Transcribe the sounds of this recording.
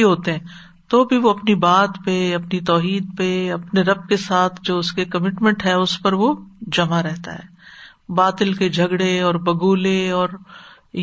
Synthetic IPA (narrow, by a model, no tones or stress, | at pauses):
iɦoːt̪eɦɛ̃ | t̪oːbʱiʋoɐpnibaːt̪peɐpnit̪ɔːɦiːd̪̚peɐpneɾɐb̚kesaːt̪ʰd͡ʒoːʊskekɐmɪʈmɛ̃ɳʈɦɛʊspɐɾʋod͡ʒɐmaɾɛɦt̪a̰ɦɛ̰ː | baːt̪ɪlked͡ʒʱɐɡɽeɔːɾbɐɡuːleɔːɾ